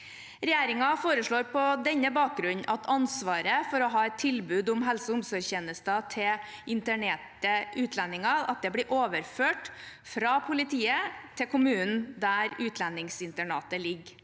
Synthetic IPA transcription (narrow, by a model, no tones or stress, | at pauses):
ɾɛjeːɾɪŋɑfoːɾəʂɭoːɾpɔd̪ɛɲːəbɑːk̚ɡɾʉɲːʔɑt̪ʰɑnsʋɑːɾəfɔɾɔɦɑːɛt̪ʰːɪlbʉːd̪ʊmɦɛlsəʊmsɔɾçeːnəst̪ɑt̪ʰɪ | ɪnt̪əɳeːʈəʔʉːt̪ʰlɛnːɪŋɑɑ̰t̪̚d̪ɛblɪːɾʔoːʋəɾføːʈfɾɑpʰʊlɪt̪ʰiːət̪ʰɛkʰʊmʉːnn̩d̪æɾʉːt̪ʰlɛnːɪŋsɪnt̪əɳɑ̰ːt̪əlɪɡ